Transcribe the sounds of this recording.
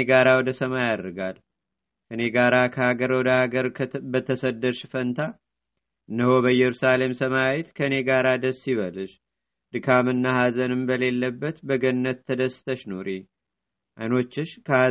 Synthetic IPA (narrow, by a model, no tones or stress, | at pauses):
eɡaɾawɔd̪əsəmajad̪əɾɡal | kʰəɨne̞ɡaɾakʰəhaɡəɾwɔd̪əhaɡəɾbət̪ʰəsəd̪ːəɾʃɪ̥fənt̪ʰa | ʔɨnːəhobəjɛɾusale̞msəmajajɛt̪kʰəɨne̞ɡaɾad̪əsːiβəlɨʃ | d̪ɨkʰamɨnːahazənɨmbəle̞lːəbːət̪bəɡənːət̪ʰːəd̪əst̪ʰəʃnoɾe | ʔajno̞t͡ʃːɪʃkʰəha